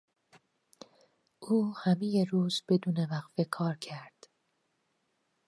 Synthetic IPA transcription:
ʔuːhæmejeruːzbe̞d̪uːnevæqfe̞kʰɒːɾcʰæɾd̪̥

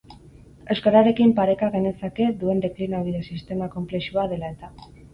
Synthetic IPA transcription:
ewskaɾaɾe̞kimpaɾe̞kaɣe̞ne̞sake̞d̪ue̞nd̪e̞klinaoɾiðesist̪e̞mako̞mple̞ʃuaðe̞lae̞t̪a

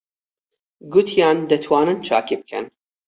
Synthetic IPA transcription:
ɡʊt̪ʰjaːnd̪ɐt̪ʰwaːnɨnt͡ʃʰa̰ːkib̚kʰɛ̰n

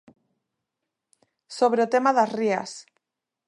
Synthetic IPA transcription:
soβɾeot̪emaðasria̰s

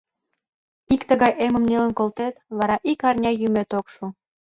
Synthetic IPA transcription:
ikt̪əɣɑjʔemə̆mnelə̆nkolt̪et̪βɑɾɑʔikɑrnʲɑjymet̪okʃu

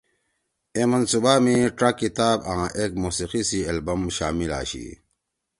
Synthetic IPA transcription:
emɐnsubaːmiʈɾɐkːit̪aːbã̰ːʔeːk̚muːsiqisiɐlbɐmɕaːmila̰ːɕḭ

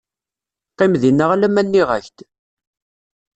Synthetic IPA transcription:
qːimðinːəʁlæmænːiʁæ̰çt̪

